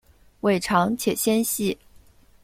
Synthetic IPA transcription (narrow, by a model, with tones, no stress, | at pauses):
we˥˩ɪʈ͡ʂʰɑ˧˥ŋt͡ɕʰjɛ˨˩ɕjɛ˥nɕi˥˩